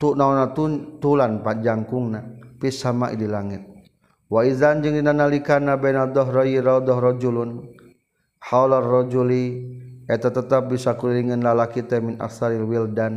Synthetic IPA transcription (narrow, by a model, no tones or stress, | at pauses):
t̪uʔnaɔnat̪ut̪ulanpad͡ʒaŋkuŋnapisamaʔḭdilaŋit̪̚ | waizand͡ʒɨŋdinanalikanabɛnad̪ɔɦrɔjiɾɔd̪ɔhrɔd͡ʒulun | haularːɔd͡ʒuliɛt̪at̪ət̪ap̚bisakuliliŋɨnlalakit̪ɛminʔa̰ksaɾilwildan